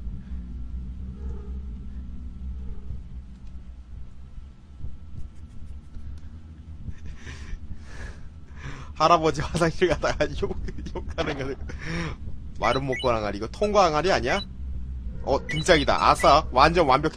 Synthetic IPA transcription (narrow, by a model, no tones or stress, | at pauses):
haɾabʌd͡ʑiwasaŋiɭɡadaɡajojokʰːanɯŋɡʌde | waɾɯnmok̚k͈ʌnɦaŋɦaɾiɡʌtʰoŋɡaaŋɦaɾiaɲia | ʌtɯŋt͡ɕ͈aɡida̰ʔa̰sʰʌwand͡ʑʌnwanbjʌkʰ